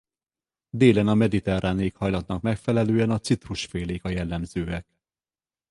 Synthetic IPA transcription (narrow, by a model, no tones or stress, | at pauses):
d̪eːlɛnɒmɛd̪it̪ɛraːneːkhɒjlɒt̪nɒkmɛkfɛlɛløːɛnɒt̪sit̪ruʃfeːleːkɒjɛlːɛmzøːɛk